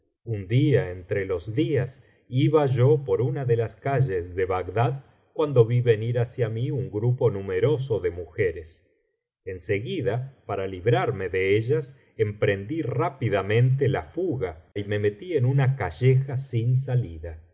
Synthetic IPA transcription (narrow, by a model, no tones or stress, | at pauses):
und̪iaent̪ɾelo̞zðias | iβaʒo̞po̞ɾunaðe̞laskaʒe̞sðe̞βaɡd̪að | kwand̪o̞βiβe̞niɾasjamiuŋɡɾupo̞nume̞ɾo̞s̬o̞ðe̞muxeɾes | ense̞ɣiðapaɾaliβɾaɾme̞ðe̞eʒas | empɾe̞nd̪irapiðamẽ̞nt̪elafuɣaime̞me̞t̪ie̞nunakaʒexasins̬aliða